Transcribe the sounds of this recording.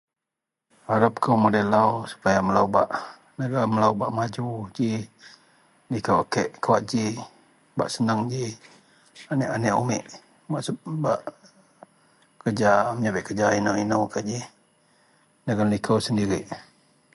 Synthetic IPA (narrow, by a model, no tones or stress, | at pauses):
haɾəp̚kəwmədelawsu̥pajaməlawbaʔ | nəɡaməlaubaʔmad͡ʒud͡ʒi | likəwakəʔkawaʔd͡ʒi | ba̰ʔsənəŋd͡ʒi | anɛʔanɛʔumɪ̰ʔ | baʔsbaʔ | kərd͡ʒaməɲabəʔkəd͡ʒainainəwkaʔd͡ʒi | nəɡanlikʰəwsəndiɾɪʔ